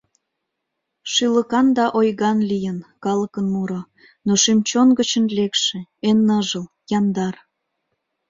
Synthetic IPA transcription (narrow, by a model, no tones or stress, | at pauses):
ʃyləkɑnd̪ɑʔojɣɑnlijənkɑlə̆kənmuɾo | noʃimt͡ɕonɡət͡ɕənlekʃĕenːəʒəl | jɑnd̪ɑr